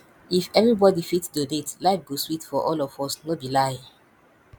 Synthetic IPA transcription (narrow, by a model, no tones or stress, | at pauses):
ifɛvɹibɔdifitsdodetlaɪfɡoswitfɔʔɔlɔfɔsnobilaɪ